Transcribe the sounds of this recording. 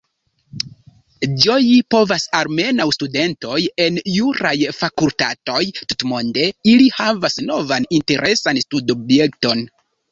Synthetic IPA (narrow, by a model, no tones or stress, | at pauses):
d͡ʒo̞jipo̞vasaɾme̞nawstude̞nto̞je̞njuɾajfakulta̰to̞jtutmo̞nde̞ilihavasno̞vaninte̞ɾʔe̞sanstudobje̞kto̞n